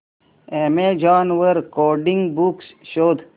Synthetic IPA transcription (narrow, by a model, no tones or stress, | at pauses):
emed͡ʒaːnʋəɾkoːɖĩŋɡbuksʃoːd̪ʱ